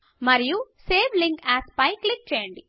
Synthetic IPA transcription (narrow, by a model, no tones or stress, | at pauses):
mɐɾijuseːʋliŋkæːspɐjklik̚t͡ʃeːjɐɳɖi